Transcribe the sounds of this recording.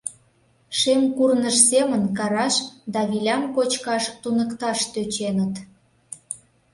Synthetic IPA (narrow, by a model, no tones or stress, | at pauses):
ʃemkurnəʃsemənkɑɾɑʃd̪ɑβilʲɑmkot͡ɕkɑʃt̪unəkt̪ɑʃt̪øt͡ɕenət̪